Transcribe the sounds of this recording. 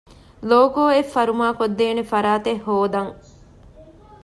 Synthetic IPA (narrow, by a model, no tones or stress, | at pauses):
loːkoːefːɐɾumaːkod̪ːeːnefɐɾaːt̪ehːoːd̪ɐŋ